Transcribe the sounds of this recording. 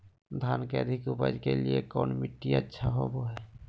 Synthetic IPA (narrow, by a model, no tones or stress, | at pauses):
d̪ʱankeəd̪ʱikupa̰d͡ʒkeliekɔ̰ːnmiʈːiətːʃʰaɦoboɦɛ